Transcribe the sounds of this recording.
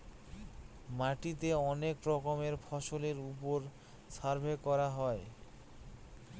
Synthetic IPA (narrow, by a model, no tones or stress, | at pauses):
maʈit̪eɔnekɾɔkomeɾfʰɔʃoleɾup̬oɾ | saɾbʱekɔɾaɦɔe